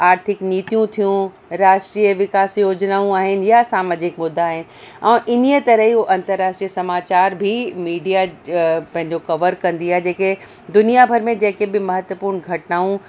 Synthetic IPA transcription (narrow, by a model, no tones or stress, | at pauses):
aːɾt̪ʰɪkniːt̪ijũt̪ʰijũ | ɾaːʃʈɾiːjəʋɪkaːsjoːd͡ʑnaːũaːɦɪnɪ̆jasaːmaːd͡ʑɪkmʊd̪ʱːaaːɦɪnɪ̆ | ɛ̃ːʔɪn̤ijət̪ɐɾəɦiɦoʔɐ̃nt̪əɾːaːʃʈɾiəsɐmaːt͡ɕaːɾbʱimiːɖijapɐ̃ɦɪ̃ɲd͡ʑokɐʋəɾkɐ̃nd̪iaɦed͡ʑeːke | d̪ʊnijabʱɐɾmẽd͡ʑeːkebɪmɐɦət̪ʋəpuːɾnɡʱɐʈnaːũ